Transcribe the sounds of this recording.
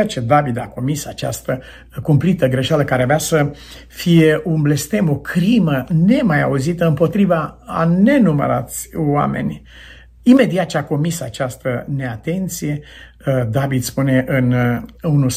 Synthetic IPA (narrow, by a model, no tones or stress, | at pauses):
t͡ʃed̪avid̪ako̞misat͡ʃa̰st̪ə | kumplit̪əɡɾe̞ʃaləkaɾeaveasə | fije̞unble̞st̪e̞mo̞kʰɾiməne̞maja̰uzit̪əɨmpo̞t̪ɾivaːne̞numə̰ɾa̰t̪sʲwa̰me̞̰nʲ | ime̞d̪iat̪̚t͡ʃeako̞misat͡ʃast̪əne̞at̪e̞nt̪sije̞ | d̪avid̪spune̞ʔɨnunu